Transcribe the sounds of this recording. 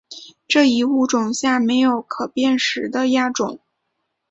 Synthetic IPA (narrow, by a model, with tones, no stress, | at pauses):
ʈ͡ʂɤ˥˩i˧˥u˥˩ʈ͡ʂʊ˨˩ŋɕja˥˩me˧˥ɪjo˨˧˩ʊkʰɤ˨˩pjɛ˥˩nʂɻ̩˧˥d̪ə˧ja˥˩ʈ͡ʂʊ˨˩˦ŋ